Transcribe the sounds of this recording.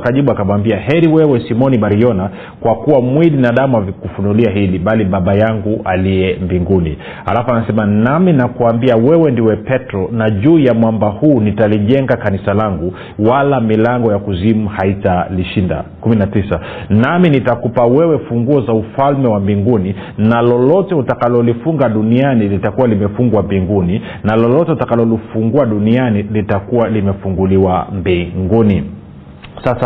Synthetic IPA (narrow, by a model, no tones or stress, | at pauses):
kaʄiɓuakamwambiahɛɾiwɛwɛsimɔniɓaɾijɔna | kwakuwamwilinaɗamuavikufunuliaɦiliɓaliɓaɓajaŋɡuʔaliɛmbiŋɡunḭ | ha̰lafuanasɛmanaminakuambiawɛwɛndiwɛpɛtɾɔnaʄuːjamwambahuːnitaliʄɛŋɡakanisalaŋɡu | walamilaŋɡɔjakuzimuhaitaliʃinda̰kuminatisa | naminitakupawɛwɛfuŋɡuɔzaufalmɛwambiŋɡuni | nalɔlɔtɛutakalɔlifuŋɡaɗunianilitakuwalimɛfuŋɡwambiŋɡuni | nalɔlɔtɛutakalɔlifuŋɡuaɗunianilitakuwalimɛfuŋɡuliwambiŋɡuni | sasa